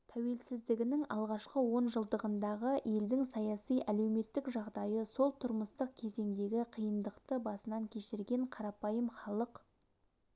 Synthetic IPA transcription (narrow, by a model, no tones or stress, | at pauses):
t̪ʰæwe̞lsɪzd̪ɪɡʲɪnɪŋɑlˠʁɑʃqəwo̞nʒəlˠd̪əʁənd̪ɑʁəje̞ld̪ɪŋsɑjɑsijʔæle̞wme̞t̪ːɪkʒɑʁd̪ɑjəso̞lˠt̪ʰʊɾməst̪əq̚kʲʰe̞ze̞ŋd̪e̞ɡʲɪqʰijənd̪əqt̪əbɑsənɑŋkʲʰe̞ʃɪɾɡʲe̞ɴqʰɑɾɑpɑjəmχɑlˠəq